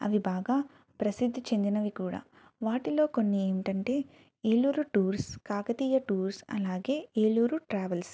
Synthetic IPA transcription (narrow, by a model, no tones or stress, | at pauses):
ɐ̰ʋibaːɡaː | pɾɐsid̪ʱːit͡ʃe̞nd̪inɐʋikuːɽa̰ː | ʋaːʈilo̞ːko̞nːieːmiʈɐɳʈe̞ː | eːluːɾuʈuːɾskaːkɐt̪iːjɐʈuːɾsɐ̰laːɡe̞ːeːluːɾuʈɾaːʋɐls